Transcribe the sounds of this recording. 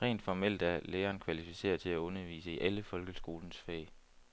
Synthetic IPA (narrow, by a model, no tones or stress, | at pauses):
ʁɛ̰ːnd̥fɒmel̰d̥æɐleːɐːnkʰʋælifise̝̰ːɐt͡sʰe̝læɔ̽nɐʋḭːsəiʔæləfɒ̽lɡ̥əsɡ̥o̝ːlnəsfɛ̰ːɪ